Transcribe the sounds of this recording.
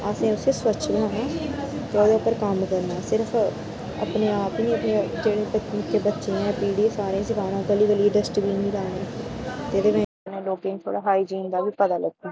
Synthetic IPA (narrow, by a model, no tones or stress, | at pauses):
aːsẽːʊseːswət͡ʃbənãːnaːt̪eoːd̪eːʊpːəɾkəmkəɾnaːsɪɾəf | ə̰pneːaːpinĩːəpnẽːd͡ʒeːɽẽːbəɪkʰːeːbətːʃẽːɛ̃ːpiːɽiːsaːɾẽːsɪkʰaːɾõːɡəliːʋəliːɖəsʈbʱiːnĩːlaːnẽːt̪eːd̪eːmɛ̃ːpnẽːloːkẽːĩt̪ʰo̰ːɽaːɦaːiːd͡ʒĩːnd̪aːbiːpət̪aːləɡ̚t̪iː